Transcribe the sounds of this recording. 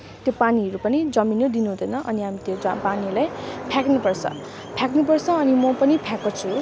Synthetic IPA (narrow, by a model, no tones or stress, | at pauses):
t̪jopaniɦʌɾupʌnid͡zʌminod̪inuɦd̪ʱʌjnʌʔʌniɦamit̪jod͡zpanilajpʰjaknupʌrt͡sʰʌ̰ | pʰjaknupʌrt͡sʰʌ̃ːnimʌpʌnipʰjakot͡sʰu